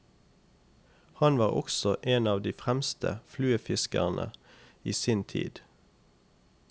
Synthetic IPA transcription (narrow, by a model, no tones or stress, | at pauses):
hɑnʋɑːʁɔ̰ksɔʔeːnɑːʋd̪iːfʁæmst̪ʰə̰flʉːəfɪskə̰ʁnʔə̰iːsiːnt̪ʰḭːd̪̥